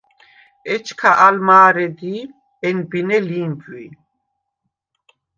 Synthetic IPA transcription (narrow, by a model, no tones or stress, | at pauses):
ɛt͡ʃʰkʰaʔalmaːɾɛd̪i | ɛnbinɛliːmpʼwi